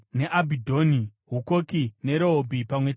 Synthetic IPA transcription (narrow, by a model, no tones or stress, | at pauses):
neʔabʱidʱo̞ni | ɦukokine̞ɾoɦobʱipamwe